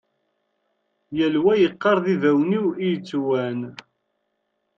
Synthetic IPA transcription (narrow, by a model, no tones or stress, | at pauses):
jælwæjəqːɑɾˤðiðæwniwijət͡sːwæn